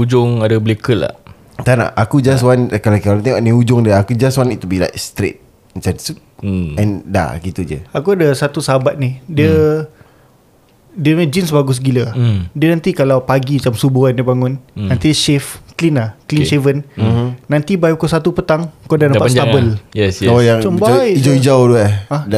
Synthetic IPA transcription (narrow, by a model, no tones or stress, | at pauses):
ud͡ʒʊŋadəbəlikəla̰ | t̪ana̰akud͡ʒaswankalakat̪ewaʔnĩud͡ʒʊŋdiəakud͡ʒaswanit̪ːubila̰jkst̪ɾḛt̪̚ | sansu | ɛ̃nda̰ɡit̪ud͡ʒə̰akuadəsat̪usəɦabat̪̚nihdiə | diəmd͡ʒinsbaɡʊs̬ɡilədiənãnt̪ikalawpaɡimat͡ʃamsubuandibaŋʊnːãnt̪iʃɛfklinaklinʃevən̩nãnt̪ibajkosat̪upət̪aŋkoadanãaaabəljɛsajaŋt͡ʃɔmbaad͡ʒawid͡ʒaʊduaãd